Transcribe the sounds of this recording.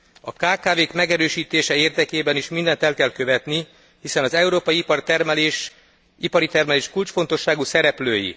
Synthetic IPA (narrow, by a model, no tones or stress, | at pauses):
ɒkaːkaːveːkmɛɡɛɾøːʃiːt̪eːʃɛeːrd̪ɛkeːbɛniʃmind̪ɛnt̪ɛlkɛlkø̞vɛt̪ni | hisɛnɒzɛuɾoːpɒjiprt̪ɛrmleʃ | ipɒɾit̪ɛrmɛleːʃkult͡ʃfo̞nt̪o̞ʃːaːɡusɛɾɛpløːjḭ